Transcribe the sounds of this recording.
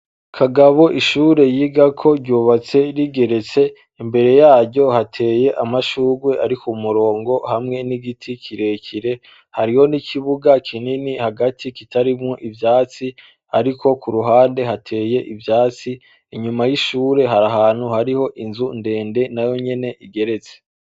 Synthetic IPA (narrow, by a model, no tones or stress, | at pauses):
kʰaɡaβo̞ʔiʃuɾe̞jiɡakʰo̞ɾɟuːβat͡se̞ɾiɡe̞ɾe̞t͡se̞ | imbe̞ɾe̞jaːɾɟo̞hatʰe̞ːje̞ʔamaʃuːɡwe̞ʔaɾikʰumuɾo̞ːŋɡo̞hamŋe̞niɡitʰikʰiɾe̞ciɾe̞ | haɾiho̞niciβuɡakʰininihaɡatʰikitʰaɾimŋoʔivjaːt͡si | aɾiko̞kuɾuɦaːnde̞ɦatʰe̞ːje̞ʔivjaːt͡si | iɲumajiʃuːɾe̞ɦaɾaɦaːn̥huhaɾiho̞ʔinzunde̞ːnde̞najo̞ɲe̞ne̞ʔiɡe̞ɾe̞t͡se̥